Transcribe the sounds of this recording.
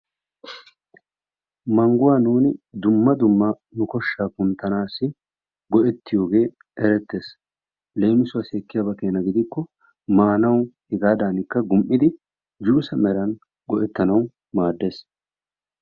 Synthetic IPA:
mɐŋɡʊwaːnuːnɪd̪ʊmːɐd̪ʊmːɐ | nʊkɔʃːaːkʊnt̪ːɐnaːsːɪ | ɡɔʔɛt̪ːɪjo̞ːɡe̞ː | ɛɾɛt̪ːe̞ːs | le̞ːmɪsʊwaseːkːɪjaːbɐkeːnɐɡɪd̪ɪkːɔ | maːnɐwhɪɡaːd̪aːnɪkːɐɡʊmʔɪd̪ɪ | d͡ʒuːsɐmɛɾɐn | ɡɔʔɛt̪ːɐnɐw | maːd̪ːe̞ːs

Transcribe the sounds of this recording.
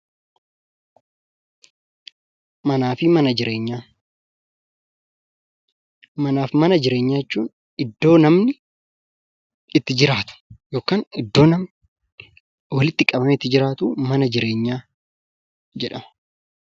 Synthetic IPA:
mɐnaːfɪmɐnɐd͡ʒɪɾʔe̞ːɲːaː | mɐnaːfmɐnɐd͡ʒɪɾe̞ːɲːaːjɛt͡ʃːuːn | ɪd̪ːo̞ːnɐmnɪ | ɪt̪ːɪd͡ʒɪɾaːt̪ʊ̥jo̞ːkaːnɪd̪ːoːnɐm | wɐlɪt̪ːɪkʼɐbɐmɛːt̪ːɪd͡ʒɪɾaːt̪uːmɐnɐd͡ʒɪɾe̞ːɲːaː | d͡ʒɛᶑɐmɐ̥

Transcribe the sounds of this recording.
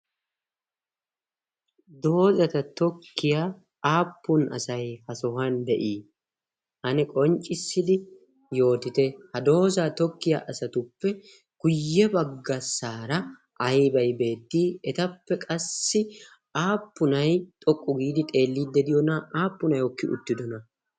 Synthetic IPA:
d̪oːzɐt̪ɐt̪ɔkːɪjaː | aːpːʊnɐ̰sɐjhɐsɔhɐnd̪ɛʔiː | ʔɐnɛkʼɔnt͡ʃʼɪsːɪd̪ɪ | jo̞ːt̪ɪt̪ɛhɐd̪o̞ːzaːt̪ɔkːɪja̰ːʔɐsɐt̪ʊpːɛ | ɡ̥ʊjːɛbɐɡːɐsaːɾɐ | ʔɐjbɐjbe̞ːt̪ːiːɛt̪ɐpːɛkʼɐsːɪ | aːpːʊnɐjt̪ʼɔkʼːʊɡiːd̪ɪt̪ʼe̞ːlːiːd̪ːɛd̪ɪjɔnɐaːpːʊnɐjɔkːɪʔʊ̰t̪ːɪd̪ɔnɐ

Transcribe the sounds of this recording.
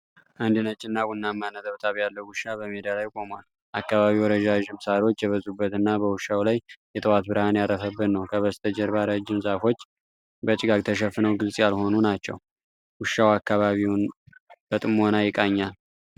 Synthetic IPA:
ʔand̪ɨnət͡ʃʼːɪnːawunːamːanət̪ʰʼəβt̪ʰaβjalːəwʊʃːabəmed̪alajkʼo̞mal | ʔakːaβaβiwɾəd͡ʒaʒɨmsaɾio̞t͡ʃːjɛβəzʼubːət̪ɨnːabəwʊʃawlajjɛt̪ʼɨwat̪bɨɾhanjarəfəbːɨnnəwkʰəβəst̪ʰəd͡ʒɛɾβaɾad͡ʒːɪmzafo̞t͡ʃː | bət͡ʃʼɪɡakʼt̪ʰəʃəfːɨnəwɡɨlsʼjalho̞nunat͡ʃːɛ̰w | wʊʃːawakːaβaβiwnb̥ət̪ʼɨmːo̞najɪkʼaɲːal

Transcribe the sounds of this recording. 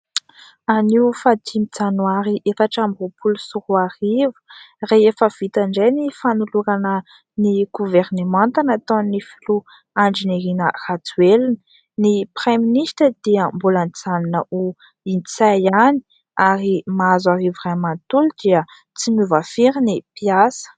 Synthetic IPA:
aniufad̪ʰimit͡sanwaɾiʔefaʈ͡ʂamvupulusuɾuarivu̥reefəv̥it̪aɳɖ͡ʐejnifanuluɾanə | niɡ̥uvernemãnt̪anat̪onnifilu | aɳɖ͡ʐiniɾinərat͡selinə | nipreminiʃtəd̪̥iəmbulanit͡saninəʔu | int͡sajani̥ | aɾimaazaɾivuramant̪ulud̪̥iə | t͡simuvafiɾinipjasə̥

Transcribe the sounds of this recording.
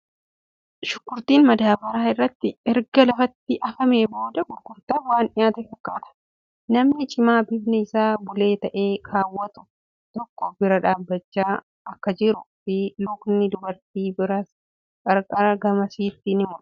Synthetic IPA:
ʃʊkːʊɾt̪iːnmɐd̪aːbɐɾaːɪrːɐt̪ːɪɛɾɡɐlɐfɐt̪ːɪʔɐfɐme̞ːbo̞ːd̪ɐɡʊɾkʊɾt̪aːwaːnᶑɪjaːt̪ɛfɐkːaːt̪ɐ̥ | nɐmnɪt͡ʃʼɪmaːbɪbnɛɪsaːbʊle̞ːt̪ɐʔe̞ːkʰaːwːɐt̪ʊ̥ | t̪ɔkːɔbɪɾɐᶑaːbːɐt͡ʃːaː | ɐkːɐd͡ʒɪɾʊfɪlʊknɪd̪ʊbɐɾt̪iːbɪɾɐ | kʼɐɾkʼɐɾɐɡɐmɐsiːt̪ːɪnɪmʊ

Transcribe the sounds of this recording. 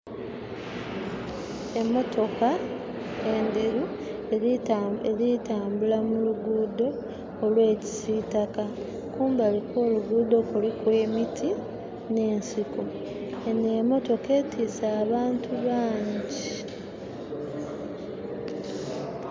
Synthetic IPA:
emːo̞to̞ka | ende̞ɾu | eɾitaːmbulamuluɡuːdo̞ː | lwe̞ːci̥siːtaka | kuːmbaliko̞ːluɡuːd̪o̞kulikwe̞ːmitʰi | ne̞ːnsiko | nemo̞to̞ke̞ːtiːsaːβaːntʰuβaːɲɟi

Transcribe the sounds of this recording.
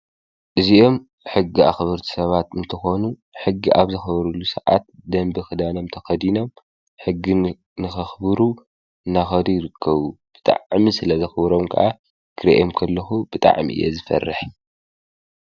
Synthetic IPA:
ʔɨziʔo̞m | ħɨɡːia̰xβɨɾt̪ʰi̥sɐβat̪ɨnt̪ʰɨxo̞nu | ħɨɡːiʔaβzɐxɐβɐɾulusɐʕa̰t̪̚d̪ɐmbɨxɨd̪ano̞mt̪ʰɐxɐd̪ino̞m | ħɨɡːi | nɨxɐxbɨɾu | ɨnːaxɐd̪ujɾɨkʰːɐβub̥ɨt̪ʼa̰ʕmisɨlɐzɐxɨβɾo̞mkʰɨ̰ʔa | kʰɨɾeʔomkʰɐlːɐxubɨt̪ʼa̰ʕmḭʔɨ̰jḛzɨfɐ̰rːɨħ

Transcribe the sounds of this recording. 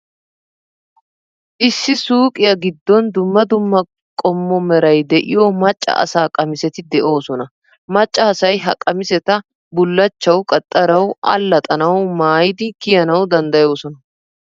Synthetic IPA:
ʔɪsːɪsuːkʼɪjɐɡɪd̪ːɔnd̪ʊmːɐd̪ʊmːɐ | kʼɔmːɔmɛɾɐjd̪ɛʔɪ̰jomɐt͡ʃʼːɐ̰ʔɐ̰saːkʼɐmɪsɛt̪ɪd̪ɛʔo̞ːsɔnɐ | mɐt͡ʃʼːɐːsɐjɦɐkʼɐmɪsɛt̪ɐ | bʊlːɐt͡ʃːɐwkʼɐt̪ʼːɐɾɐwʔɐ̰lːɐt̪ʼɐnɐwmaːjɪd̪ɪkɪjɐnɐwd̪ɐnd̪ɐjo̞ːsɔnɐ

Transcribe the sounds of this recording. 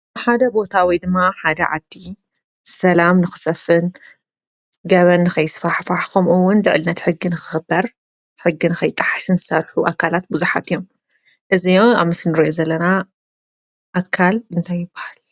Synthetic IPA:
ħad̪ɐbo̞t̪ʰawid̪ɨmːaħad̪ɐ̰ʕa̰d̪ːi | sɐlamnɨxɨ̥sɐfɨn | ɡɐβɐnːɨxɐjɪsfaħfaħxomɨwːʊnlɨʕlɨnːɐt̪ħɨɡːinɨxɨ̥xɨbːɐɾ | ħɨɡːinɨkʰɐjt̪ʼaħḁsɨnzɨsɐɾħuʔakʰːalat̪̚buzuħa̰t̪ɨjo̞m | ʔɨzijoaβmɨsnɨɾɐʔozɐlːɐna | ʔakʰalɨnt̪ʰajːɪbːḁhal

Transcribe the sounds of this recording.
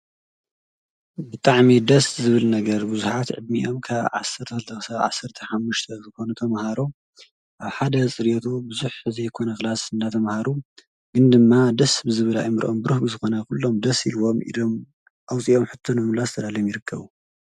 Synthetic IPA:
bɨt̪ʼaʕmid̪ɐszɨβɨlnɐɡɐɾbɨzuħat̪ʕɨ̰d̪miʔo̞mkʰaβʕa̰sːɐɾt̪ʰɐkɨlt̪ʰɐxsaβʕasːɐɾt̪ʰɐħamːuʃt̪ʰɐzɨxo̞nut̪ʰɐmhaɾo | ʔaβħad̪ɐt͡sʼɨɾjot̪ʰubɨzuħɨzɐjkʰo̞nɐxlazɨnd̪at̪ʰɐmhaɾu | ɡ̥ɨnd̪ɨmːad̪ɐsbɨzɨβɨla̰jmɨɾʔombɨɾuhbɨzɨxo̞nɐkulːomd̪ɐsilwo̞mḭd̪om | ʔawt͡sʼiomħɨt̪ʰːonomlazt̪ʰɐlaljomjɪɾɨkʰːɐβu

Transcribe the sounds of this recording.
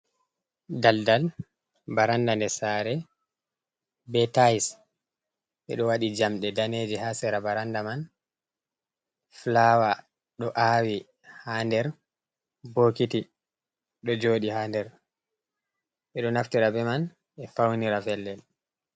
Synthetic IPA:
daldal | baɾandandɛsaɾɛ | bɛtajs | ɛ̰ɗɔwaɗid͡ʒamɗɛdaneːd͡ʒihasɛɾabaɾandaman | flawa | ɗɔʔawi | handɛɾ | boːkiti | ɗɔd͡ʒoːɗihaːndɛɾ | ʔɛɗɔnaftiɾabɛman | ɛfawniɾafɛlːɛl

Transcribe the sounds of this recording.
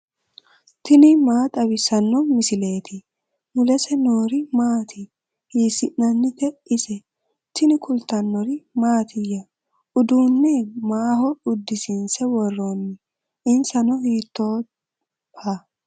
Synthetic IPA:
t̪ɪnɪmaːt̪ʼɐbɪsɐnːɔmɪsɪle̞ːt̪ɪ | mʊlɛsɛno̞ːɾɪmaːt̪ʰɪ | hiːsɪʔnɐnːɪt̪ɛɪsɛ | t̪ɪnɪkʰʊlt̪ːɐnːɔɾɪmaːt̪ʰɪjɐ | ʊd̪uːnːɛmaːhɔʊd̪ːɪsɪnsɛwɔrːonːɪ | ʔɪnsɐnɔhiːt̪ːoː | pa

